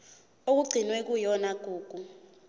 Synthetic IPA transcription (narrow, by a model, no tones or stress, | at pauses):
ok̬uɡ͡ǀʱinwɛk̬ujɔnaɡ̥ʱuːɡ̥ʱu